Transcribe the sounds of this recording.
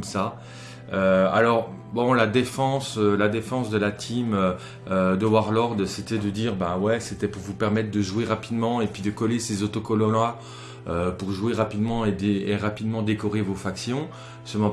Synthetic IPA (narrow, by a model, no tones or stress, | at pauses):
msa | øa̰lɔʁbɔ̃lad̪efɑ̃sølad̪efɑ̃sd̪əlat̪ʰimø | ød̪əwaʁlɔʁd̪set̪ɛd̪əd̪iːʁbãwɛset̪ɛpuʁvupɛʁmɛt̪χd̪əʒweʁapid̪mɑ̃epɥid̪əkɔlesezot̪okɔlɔna | øpuʁʒweʁapid̪mɑ̃ed̪eeʁapid̪mɑ̃d̪ekɔʁevofaksjɔ̃ | səmɔ̃